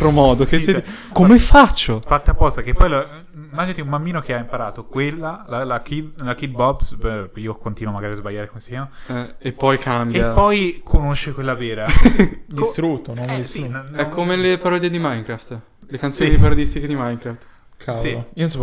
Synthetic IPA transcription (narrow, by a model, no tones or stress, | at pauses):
t̪ɾomɔːd̪okekomefat͡ʃːofat̪ːeapːɔst̪ak̟epːɔjla | imːaːd͡ʒinat̪iumbamːiːnok̟eaimpaɾaːt̪okwelːalalakʰid̪lak̟id̪̚bɔbspiːokont̪inwomaɡaːɾiazbaʎːaːɾekomesiamaɛepːɔjkʰambeappːɔjkʰonoʃːekwelːavɛːɾad̪ist̪ɾut̪ːonɔsinɛkːomelepaɾɔd̪ed̪imajŋkɾaft̪ | lekantsoːnipaɾod̪ist̪iked̪imajŋkɾaft̪ | kʰasiais